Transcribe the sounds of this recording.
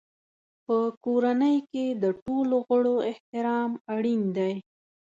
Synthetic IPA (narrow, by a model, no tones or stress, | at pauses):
pəkoɾanəjked̪əʈoloɣəɽoɪht̪ɪɾɑmaɽind̪aj